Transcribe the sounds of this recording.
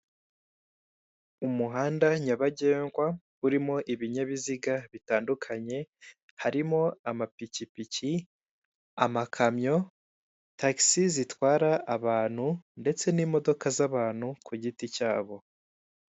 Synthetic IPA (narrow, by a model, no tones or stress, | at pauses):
umuɦaːndaɲaβaɟe̞ːŋɡwa | uɾimo̞ʔiβiɲaβiziɡaβitaːndukʰaɲe̞ | haɾimo̞amapicipici | a̰makʰamɲo̞ | taksizitwaːɾaʔːβaːn̥hunde̞t͡se̞nimo̞do̞kazaβaːn̥hukʰuɟiticaːβo̞